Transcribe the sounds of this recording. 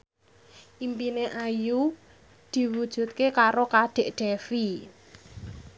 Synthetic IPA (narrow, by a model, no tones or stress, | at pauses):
ʔimpineʔaju | d̪̥i̤wud̥ʒ̥ṳt̪̚kekaɾokaɖ̪̥e̤ʔɖ̪̥efi